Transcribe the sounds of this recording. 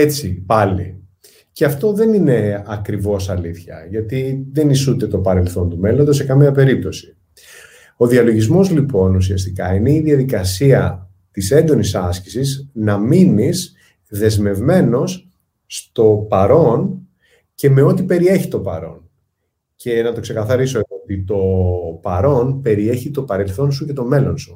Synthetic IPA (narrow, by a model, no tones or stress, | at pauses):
et͡sipɐlḭ | ceɐft̪o̞ðe̞nine̞ɐkɾivo̞sɐliθçɐ̰ʝɐt̪iðe̞nisud̪e̞t̪o̞pɐɾe̞lθo̞nt̪ume̞lo̞nd̪ose̞kɐmiɐpe̞ɾip̚t̪o̞si̥ | o̞ðiɐlo̞ʝizmo̞zlipo̞nusiɐst̪ikɐ̰ine̞iðiɐðikɐsiɐ | t̪ise̞nd̪o̞nisɐsci̥siznɐminis | ðe̞zme̞vme̞no̞sː | t̪o̞pɐɾo̞n | ce̞me̞o̞t̪ipe̞ɾie̞çit̪o̞pɐ̰ɾo̞̰n | cʰe̞nɐt̪o̞kse̞kɐθɐɾiso̞eoot̪it̪o̞pɐɾo̞npe̞ɾie̞çit̪o̞pɐɾe̞lθo̞nsuce̞t̪o̞me̞lo̞nsu̥